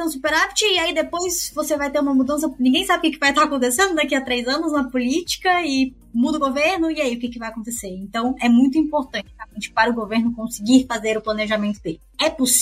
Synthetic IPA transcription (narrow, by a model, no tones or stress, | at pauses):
ɐ̃w̃supeɾapt͡ʃɪːaid̪epojsvosevajt̪eɾũmɐmud̪ɐ̃s̬ɐnĩɡẽj̃sabɪkɪkɪvajt̪aɾakõnt̪esẽnd̪ʊd̪akiɐt̪ɾejzɐ̃nʊznɐpolit͡ʃi̥kɐɪ | mud̪ʊɡoveɾnʊɪaiʊkekɪvajakõt̪eseɾẽnt̪ɐ̃w̃ɛmũj̃t̪̬ʊĩpoɾt̪ɐ̃t͡ʃɪaẽt͡ʃɪ̥paɾʊɡoveɾnʊkõsɪɡiɾfazeɾʊplɐ̃neʒamẽnt̪ʊd̪elɪɛpos